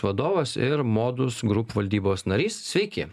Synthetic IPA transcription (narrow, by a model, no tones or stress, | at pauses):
ʋɐd̪oːʋɐsɪɾmoːd̪ʊsɡɾʊpːʋɐlʲd̪ʲiːboːsnɐɾʲiːssʲʋʲɛɪkʲeː